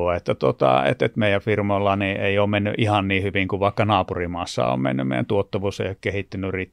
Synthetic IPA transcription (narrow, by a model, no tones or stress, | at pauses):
oet̪ːæt̪ot̪ɑ̰ḛt̪et̪meijæʋfirmolːɑniːeioːmmenːy̰ʔihɑnniːhyʋiŋkuʋʋɑˑikːɑnɑːpurimɑːsːɑ̰o̰ːmmḛnːymḛˑijæ̰t̪uot̪ːɑʋuːsḛijokkehit̪ːynːyrit̪